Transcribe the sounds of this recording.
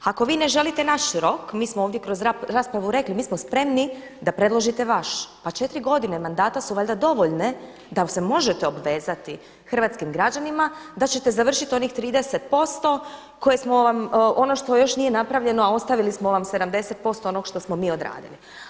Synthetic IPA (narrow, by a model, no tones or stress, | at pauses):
ako̞ʋiːne̞ʒe̞lit̪enaʃɾo̞kmiːsmooːʋd̪jekɾozaɾaːspɾaʋuɾe̞klimiːsmospɾe̞mni | d̪apɾe̞d̪lˠoʒit̪e̞ʋaʃpat͡ʃet̪ɾiɡo̞d̪ine̞mand̪aːt̪asuʋaʎd̪ad̪o̞ʋo̞ʎne̞ | d̪ase̞mo̞ʒet̪eo̞bʋe̞ːzat̪i | xr̩ʋat̪skimɡɾad͡ʑanimad̪at͡ɕe̞t̪e̞zaʋr̩ʃit̪io̞niːxt̪ɾiːd̪eset̪̚po̞st̪o̞ | ko̞jesmoʋamʔo̞no̞ʃt̪o̞jo̞ʃnije̞napɾaʋʎe̞noao̞st̪aʋilismoʋamse̞d̪amd̪e̞se̞t̪̚po̞st̪oonoɡʃt̪o̞smo̞miːo̞d̪ɾa̰ːd̪ḭli